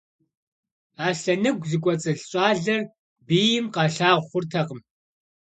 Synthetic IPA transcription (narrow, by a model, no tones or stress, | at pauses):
aːɬɐnɨɡʷzikʷʼɔt͡sʼɨɬɕʼɑːɮɐr | biːjɪmqɑːɬaːʁʷχʷʊrtʰɐqəm